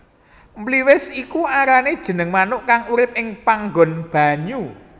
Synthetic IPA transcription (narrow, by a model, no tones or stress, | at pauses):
mbliwɪsikuaɾaned̥ʒ̥ə̤nəŋmanʊʔkaŋuɾɪp̚ɪŋpaŋɡɔnb̥a̤ɲu